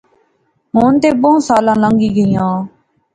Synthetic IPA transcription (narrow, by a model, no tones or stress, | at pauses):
ɦoːnt̪eːbõːsaːlãːlə̃ːŋɡiːɡəiːjãː